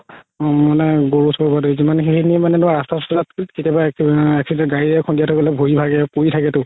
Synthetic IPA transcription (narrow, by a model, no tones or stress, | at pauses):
manɛɡoɹusʰabadozimanxeniɛmanɛnʊaɹastasɔzat̚kiltkitjabaɛksidɛ̃ɡaɹiɛkʰɔndijatʰɔkɔlɛbʱoibʱaɡɛpoɹitʰakɛtʊ